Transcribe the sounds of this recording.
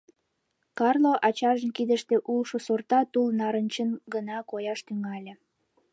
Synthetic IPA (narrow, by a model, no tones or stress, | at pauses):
kɑrloʔɑt͡ɕɑʒənkid̪əʃt̪eʔulʃosort̪ɑt̪ulnɑɾənʲt͡ɕənɡənɑkojɑʃt̪yŋɑlʲe